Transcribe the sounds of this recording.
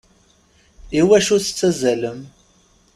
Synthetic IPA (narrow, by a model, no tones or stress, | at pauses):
iwæʃuɾθə̥t͡sːæzæləm